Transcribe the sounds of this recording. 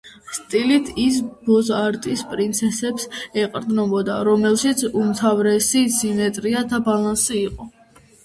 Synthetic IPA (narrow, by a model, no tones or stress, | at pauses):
st̪ʼilit̪ʰis̬bɔzaɾt̪ʼispʼɾint̪sʰɛsɛpsɛqʼɾd̪znɔbɔd̪a̰ɾɔmɛlˠʃit̪sʰumt̪ʰavɾɛsisimɛt̪ʼɾiad̪abalansiːqʼɔ